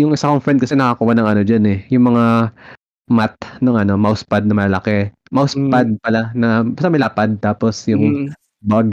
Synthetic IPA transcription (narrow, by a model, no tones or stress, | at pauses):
jʊŋʔɪsakoŋfɹɛnd̪̚kɐsɛnɐkakuwanɐŋɐno̞d͡ʒanɛjʊŋmɐŋa | mat̪̚nɐŋɐno̞mɐʊspad̪̚nɐmɐlɐlɐkɛ | mɐʊspad̪̚pɐlanɐbɐsamɐjlaːpad̪̚t̪aːpo̞sjʊŋ | baɡ